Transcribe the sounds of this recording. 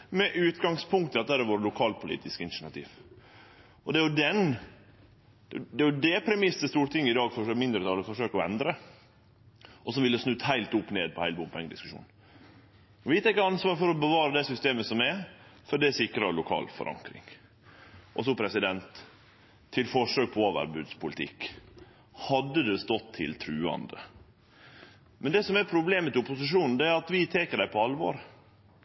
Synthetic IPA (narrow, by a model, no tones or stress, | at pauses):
mɛʔʉːt̪ɡɑŋspʰʊŋkt̪ɑt̪ːəæɾəʋoːɾəlʊkʰɑːlpʰʊlḭːt̪ɪskɪnsɳɑt̪ʰḭːʋ | ɔd̪ɛæɾjʊd̪ɛn | d̪ɛjd̪ɛɾjʊd̪ɛpʰɾɛmɪsəst̪uːɾt̪ɪŋːəɪd̪ɑːɡfɔømɪnd̪ɾət̪ʰɑːləfɔʂøːkɔɛ̰nd̪ɾə | ʔɔsɔʋɪləsnʉːt̪hæɪlt̪ʊpːneːd̪̚pʰɔhæɪlbʊmpʰɛŋːəd̪ɪ̰skʉ̥ʂṵːn | ɔʋɪt̪æɪkːəɑnsʋɑːɾfɔɾɔbəʋɑːɾəd̪ɛsʏst̪eːməsɔmɛfɔɖɛæsɪkɾɑlʊkʰɑ̰ːlfɔ̰ɾʔɑ̰ŋkɾɪ̰ŋ | ʔɔs̬ɔpʰɾɛsɪd̪ɛnt̪ʰː | ɪlfɔʂøːk̚pʰɔoːʋə̰ɾbʉːd̪spʰʊlɪt̪ʰɪ̰kː | hɑd̪ːəd̪ɛst̪ɔt̪ʰːɪ̰lt̪ʰɾʉːɑ̰nd̪ə̰ | mɛnd̪ɛsɔmæɾpʰɾʊbleːmət̪ɪʊpʊsɪʂuːnn̩d̪ɛæɾɑt̪ʋɪt̪ʰeːkəɖæɪpʰɔɑlʋo̰ːɾ